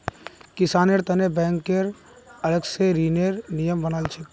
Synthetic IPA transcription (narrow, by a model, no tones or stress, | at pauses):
kɪsaːneɾt̪ɐnebɛ̃ːŋkːeɾ | ɐləɡseɾiːneɾnijəmbənaːlt͡ʃʰe